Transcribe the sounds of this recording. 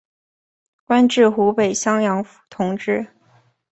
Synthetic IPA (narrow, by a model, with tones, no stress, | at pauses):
kwa˥nʈ͡ʂɻ̩˥˩xu˧˥pe˨˩ɪɕjɑ˥ŋjɑ˧˥ŋft̪ʰʊ˧˥ŋʈ͡ʂɻ̩˥˩